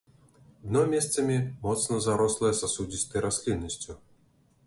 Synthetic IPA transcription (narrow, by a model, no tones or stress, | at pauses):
d̪nomʲesʲt̪səmʲimɔt̪snəzaɾoslˠəjəsasudʲisʲt̪əjɾʔasʲlʲinːəsʲtʲu